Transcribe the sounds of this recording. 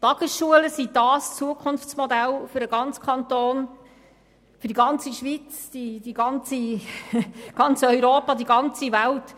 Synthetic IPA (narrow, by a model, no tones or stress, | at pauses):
t̪ɑɡ̥əsʃuələsid̥ɑːst͡suəkʰʊnft͡smɔd̪ælfʏɾəɡɑnt͡skʰɑnt̪oːn | fyɾd̥iɡɑnt͡siʃʋit͡sd̥id̥iɡɑnt͡si | ɡ̥ɑnt͡sœʏɾoːpɑd̪iɡɑnt͡sivælt